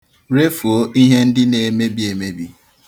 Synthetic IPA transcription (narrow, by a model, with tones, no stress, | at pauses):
ɾe˦fu˨o˦ʔi˦ɦe˦n̩˦dɪ˦ne˨me˦bi˦e˨me˦bi˦